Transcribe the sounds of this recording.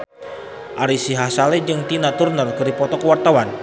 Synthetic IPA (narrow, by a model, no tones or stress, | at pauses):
ʔaɾisiɦasalɛd͡ʒɨŋt̪inat̪urnərkəɾipɔt̪ɔkəwart̪awan